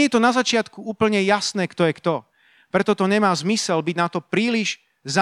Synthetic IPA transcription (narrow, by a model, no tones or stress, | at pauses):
jɛt̪ɔnazat͡ʃɪat̪kuuːpl̩ɲɛjasnɛːkt̪ɔjɛkt̪ɔ | pɾɛt̪ɔt̪ɔɲɛmaːzmisɛlbiɟnat̪ɔpɾiːliʒ | za